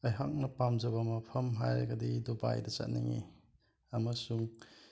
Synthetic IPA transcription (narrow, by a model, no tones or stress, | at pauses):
ɐjɦak̚nɐpamzɐbamapʰɐmɦajɡadidɔba̰jdɐt͡ʃa̰t̚na̰ŋḭ | ɐmɐsuŋ